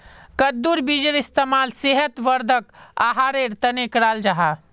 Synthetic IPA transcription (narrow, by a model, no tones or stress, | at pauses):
kəd̪ːuɾbid͡ʒəɾist̪emaːlseɦət̪ʋəɾd̪ʱəka̰ːɦaːɾeɾt̪ɐnekɾaːld͡ʒaɦa